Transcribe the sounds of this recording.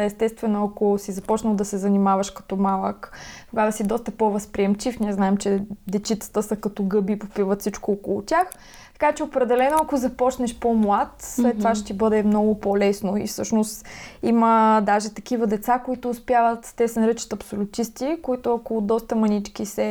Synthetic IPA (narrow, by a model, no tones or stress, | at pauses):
ɛst̪ɛst̪vɛnoɐkosizɐpɔt͡ʃnəlˠd̪ɐsɛzɐnimavɐʃkɐ̥t̪ɔmalˠəkt̪oɡad̪ɐsid̪ɔst̪ɐpɔvɐspɾiɛmt͡ʃifnʲiɛznaɛmt͡ʃɛd̪ɛt͡ʃit̪sə̥t̪əsəkɐt̪ɔɡɤbipopivət̪sit͡ʃkoɔkolˠʊt̪ʲax | t̪ɐ̥kat͡ʃɛopɾɛd̪ɛlɛnoɐkʊzɐpɔt͡ʃnɛʃpomlˠat̪slɛt̪ːovaʃt̪ibɤd̪ɛmnɔɡʊpolɛsnoḭfsɤʃnost̪iməd̪aʒɛt̪ɐkivəd̪ɛt̪sakoit̪ʊːspjavət̪t̪ɛsɛnɾət͡ʃi̥t̪ɐpsolʲʊt̪ist̪ikoit̪ʊɐkod̪ɔst̪əmɐnit͡ʃkisɛ